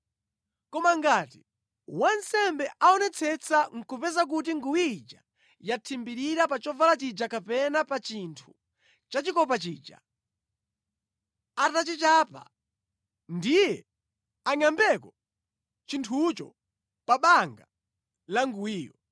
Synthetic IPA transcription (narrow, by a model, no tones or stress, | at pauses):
kɔmaŋɡaːti | wansɛmbɛʔaɔnɛt͡sʰɛt͡sʰaŋ̩kupɛzak̬ut̬iŋɡuwid͡ʒa | jatʰimbiɾiɾapat͡ʃɔvalat͡ʃid͡ʒakapɛnapat͡ʃintʰu̥ | t͡ʃat͡ʃikɔpat͡ʃiːd͡ʒa̰ | atat͡ʃit͡ʃaːpa̰ | ndijɛ | aɲambɛkɔ | t͡ʃintʰut͡ʃɔ̰ | paɓaŋɡa | laŋɡuwiːjɔ